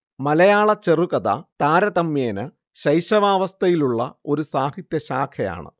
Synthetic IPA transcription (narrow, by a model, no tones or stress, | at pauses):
mɐlɐjaːɭɐt͡ɕeruɣɐðɐ̰t̪aːɾɐt̪ɐmːjeːnɨ | ɕɐjɕɐʋaːʋɐst̪ʰɐjiluɭːɐo̞ɾusaːhit̪jɐɕaːkʰɐja̰ːɳɨ̰